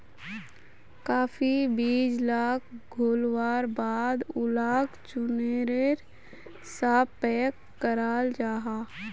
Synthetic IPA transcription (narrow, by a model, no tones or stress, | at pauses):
kaːfibiːd͡ʒlaːkʰɡʱoːlwaːɾbaːd̪ʊlaːkt͡ʃʊneɾeɾ | saːpɛːkːəɾaːld͡ʒaːɦaː